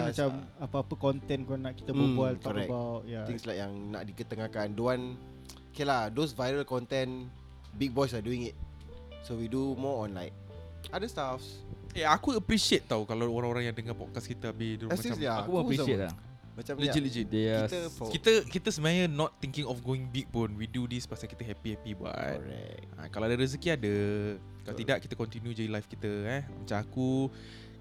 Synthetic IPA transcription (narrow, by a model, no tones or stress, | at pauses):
t͡ʃam | apəapəkɔnt̪ɛnkanaʔki̥t̪əbubualt̪kɔɔɾɛkbawt̚jat̪ĩŋslajk̚jaŋna̰ʔdikət̪əŋakanduan | keladosvajɾəlkɔnt̪ɛ̃n | bik̚bɔjsaduĩŋit̚ | sowidumɔɔ̃nla̰jk̚ | adəst̪afs | eakuəpɾisiet̪̚ːawkalaoɾãŋoɾãŋjãŋdəŋapɔ̰t̚kaskit̪əabɪhdumaãsaakuboəpɾisiet̚la̰ | mat͡ʃãmləd͡ʒiləd͡ʒiiəkit̪əkit̪əsəmajənɔt̪ːiŋkĩŋɔfɡoɪ̃ŋbik̚pʊnwidudispasakit̪əɦɛpihɛpibua̰tɹa̰ | a̰kalawadəɾəs̬ikiadə | kalat̪idaʔki̥t̪əkɔnt̪injud͡ʒadilajfkit̪əɛmat͡ʃãmaku